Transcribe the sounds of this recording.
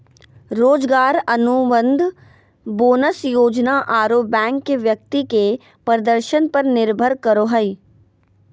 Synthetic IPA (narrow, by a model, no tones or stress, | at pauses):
ɾoːd͡ʒɡaːɾɐnubə̃nd̪ʱ | boːnəsjoːd͡ʒnaʔaːɾoːpbɛ̃ːŋkːeʋjɐk̚t̪ike | pɾəd̪əɾʃənpɐɾnɪɾbʱəɾkəɾoːɦəi